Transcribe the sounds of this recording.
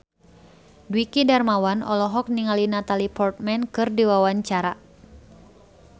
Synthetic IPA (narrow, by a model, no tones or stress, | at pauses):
dwikidarmawanɔ̰lɔɦɔk̚niŋalinat̪alipɔrt̪̚mɛnkɨrdiwawaɲt͡ʃaɾa